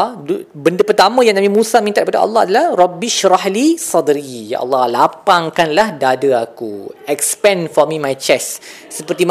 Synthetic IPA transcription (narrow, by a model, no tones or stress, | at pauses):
bəndəpərt̪amə̃jãŋnãmĩmũsamĩnt̪aʔ̚tkpadaʔɑ̰lːɑha̰dalahrɔbiʃɾahlisɔd̪ɾija̰ʔɑ̰lːɑhlapaŋkanlahdadəakuɛkspɛ̃nfɔmĩmajt͡ʃɛsː | əpərt̪im